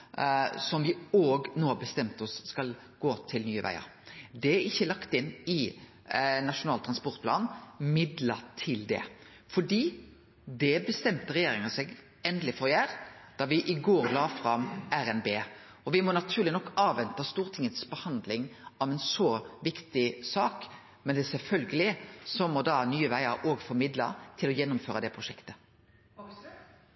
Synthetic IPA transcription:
sɔmʋɪoːɡnoːɑbəst̪ɛmt̪ɔsːkɑl | ɡ̥oːt̪ʰɪlnyːəʋæ̰ɪə̰ɾd̪ɛæɾɪçːəlɑkt̪ɪnːɪ | nɑʂʊnɑːlt̪ɾɑnspɔɾt̪̚pʰlɑːnmɪd̪lət̪ʰɪld̪ɛ̰ | fɔɖiː | d̪ɛbəst̪ɛmt̪əɾɛjeːɾɪŋəsɛɡ | ɛnd̪əlɪfɔɾjæːɾd̪̥ɑʋɪʔɪɡoːɾlɑːfɾɑmæɾɛnbeː | ɔʋɪmɔnɑt̪ʰʉːʁlɪnɔkːɑːʋʋɛnt̪ɑst̪uːʁt̪ʰɪŋːət̪sbəhɑnd̪lɪŋɑʋɛnsɔʋɪkt̪ɪsɑːk | mɛnd̪ɛsɛlfœlɡəlɪsɔmɔd̪ɑːnyːəʋæɪəɾoːɡfɔɾmɪd̪lɑ̰t̪ʰɪlɔjɛnːʊmføːɾɑd̪ɛpʰɾʊʃɛkt̪ə

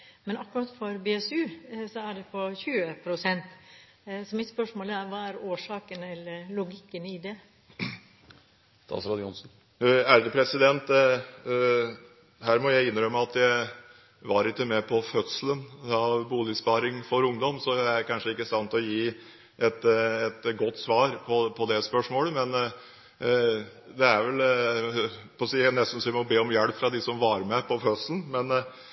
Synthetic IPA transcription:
mɛnɑkːʉɾɑt̪fɔɾbeːɛsʉːsɔæɖɛpʰɔçʉːəpʰɾʊsɛnt̪ | sɔmɪt̪spœʂmoːlæɾʋɑːæɾoːʂɑːkənɛləɾlʊɡɪkːənɪd̪ɛ | st̪ɑ̰ːsɾɑd̪jʊnsn̩ | æɖəpʰɾɛsɪd̪ɛnt̪ | hæːɾmɔjæɪɪnɾœmːəɑt̪ʰjæɪ | ʋɑɾɪkːəmɛpʰɔfœt̪sələnɑʋbuːlɪspɑːɾɪŋfɔɾʊŋd̪ɔmsɔæækʰɑnʂəɪkːəsɑnt̪ɔjiː | ʔɛt̪ɛt̪ɡɔt̪ːsʋɑːɾpʰɔpʰɔd̪ɛspœʂmoːləmɛn | d̪ɛæɾʋɛl | pɔsiːnɛst̪n̩sɔʋɪmɔbeːɔmjɛlpfɾɑd̪ɪsɔmʋɑːɾəmɛpʰɔfœt̪sln̩mɛn

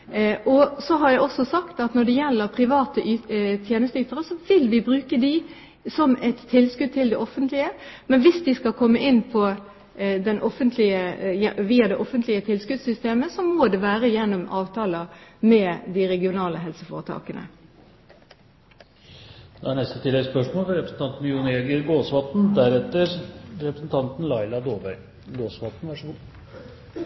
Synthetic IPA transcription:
ʔɔsɔɦɑɾjæɪɔsɔsɑkt̪ɑt̪nɔɖ̪ɛjɛlːəɾpʰʁɪʋɑːt̪əʔyt̪ʰjeːnəst̪əyːt̪əʁəsɔʋɪlʋɪbɾʉːkəd̪ɪ | sɔmɛt̪ʰːɪlskʉd̪̚t̪ʰɪld̪ɛʔɔfənt̪lɪəmɛnʋɪsd̪ɪskɑkʰɔmːəʔɪnːpʰɔ | d̪ɛnʔɔfənt̪ʰlɪəjɛʋiːɑd̪ɛʔɔfənt̪ʰlɪət̪ʰɪlskʉd̪sʏst̪eːməsɔmoːd̪ɛʋæːɾəjɛnːɔmɑːʋt̪ʰɑːlɑmɛːd̪ɪɾɛɡɪʊnɑːləɦɛlsəfoːʁət̪ʰɑ̰ːkənə̰ | d̪ɛæɳɛst̪ət̪ʰɪlɛɡspœʂmoːfɾɛpɾəsn̩t̪ɑnt̪n̩mjʊneːɡəɾɡoːsʋɑt̪n̩d̪æɾɛt̪ːəɾɾɛpɾəsn̩t̪ʰɑnt̪n̩lɑɪlɑd̪oːbæɪ | ɡoːsʋɑt̪n̩ʋɑʂɡuː

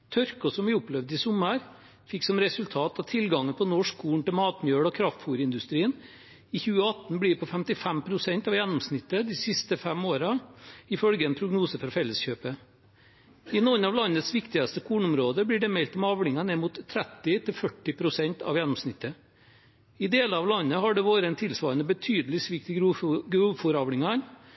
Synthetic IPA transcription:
t̪ʰɔɾkɔsɔmʋɪʊplɛʋd̪ɪsʊməɾ | fɪkːsɔmɾɛsʉlt̪ʰɑːt̪ɑt̪ʰɪlɡɑŋːənpʰɔnɔʂkʰuːɳ̩t̪ɪlmɑːt̪mjøːɽɔkʰɾɑft̪fuːɾəɪnd̪ʉst̪ɾiːən | ɪçʉːəɑt̪n̩blɪɾpʰɔfɛmt̪ɪfæmpʰɾʊsɛnt̪ɑʋjɛnːʊmsnɪt̪ːəd̪ɪsɪst̪əfɛmoːɾɑɪfœlɡəɛnpʰɾʊɡnuːsəfɾɔɾfɛlːəsçøːpə | ɪnɔnɑʋlɑnːət̪sʋɪkt̪ɪɡɑst̪əkʰuːnəʊmɾoːd̪əblɪɖɛmɛlt̪ɔmɑʋɽɪŋɑnɛmuːt̪ʰːɾɛt̪ːɪt̪ʰɪlfœʈːɪpʰɾʊsɛnt̪ʰɑ̰ʋjɛnːʊmsnɪt̪ʰːə | ɪd̪eːləɾɑʋlɑnːəɦɑɖɛʋoːɾəɛnt̪ʰɪlsʋɑːɾənəbət̪ʰyːd̪əlɪsʋɪk̚t̪əɡɾuːfuɾɑʋɽɪŋɑɾ

